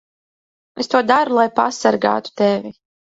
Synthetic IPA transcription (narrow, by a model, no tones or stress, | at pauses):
est̪uɔd̪aɾulˠajpa̰saɾɡa̰ːt̪u̥t̪ɛvi